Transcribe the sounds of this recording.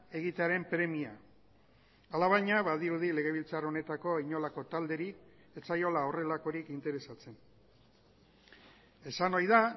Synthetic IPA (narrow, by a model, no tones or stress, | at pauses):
e̞ɣ̞it̪eaɾe̞mpɾe̞mia | alaβajɲaβaðiɾuðile̞ɣ̞e̞β̞ilt͡saro̞ne̞t̪ako̞iɲo̞lako̞t̪ald̪e̞ɾik | et͡sajo̞lao̞re̞lako̞ɾikint̪e̞ɾe̞sat͡se̞n | e̞sano̞jða